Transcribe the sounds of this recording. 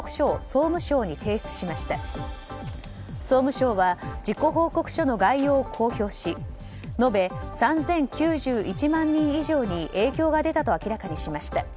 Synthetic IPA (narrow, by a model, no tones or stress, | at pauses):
kɯ̟̥ɕo̞ːso̞ːmɯ̟ɕo̞ːɲ̟it̪ʰe̞ːɕt͡sɨ̥ɕimaɕi̥t̪a | so̞ːmɯ̟ɕo̞ːβad͡ʑiko̞ɦo̞ːko̞kɯ̟̥ɕo̞no̞ɡaijo̞ːkʰo̞ːço̞ːɕi | no̞be̞sãnzẽ̞ŋkʲɨːʑɨːʔit͡ɕimãɲːĩɰ̃iʑo̞ːɲ̟iʔe̞ːkʲo̞ːɡad̪e̞t̪at̪o̞akʲiɾakaɲ̟iɕimaɕi̥t̪a